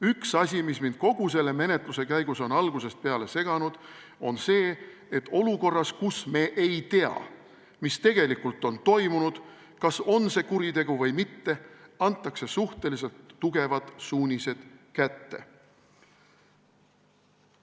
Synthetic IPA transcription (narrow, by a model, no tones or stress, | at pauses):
yksɑsʲimismind̪̥̚ko̞ɡ̥us̬e̞lːe̞me̞ne̞t̪ˑluse̞kæjɡ̥uso̞nɑlɡ̥use̞st̪̚pe̞ɑle̞se̞ɡ̥ɑnud̪̥ | o̞nse̞ː | et̪ːˑo̞luko̞rːɑskusme̞ːʔejt̪e̞ɑ̰ | mist̪e̞ɡ̥e̞likːult̪ːˑo̞nt̪o̞jmunud̪̥ | kɑso̞nse̞kuɾit̪e̞ɡuvɤjmit̪ːe̞ɑnt̪ˑːɑkse̞suht̪e̞lis̬e̞lt̪ːuɡ̥e̞vɑt̪suːnʲise̞d̪̥kæt̪ːe̞̰